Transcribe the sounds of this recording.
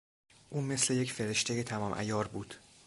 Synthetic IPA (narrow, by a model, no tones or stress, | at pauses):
ʔuːme̞sle̞je̞cfe̞ɾeʃt̪ʰe̞jet̪ʰæmɒːmʔæ̰jɒːɾbuːd̪̥